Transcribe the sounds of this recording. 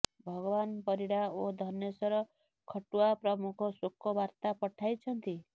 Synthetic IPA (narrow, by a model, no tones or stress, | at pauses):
bʱɔɡɔbanpɔɾiɽaod̪ʱɔnjesɔɾɔ | kʰɔʈuapɾɔmukʰɔsukːɔbaɾt̪apɔʈʰajt͡ʃʰɔnt̪i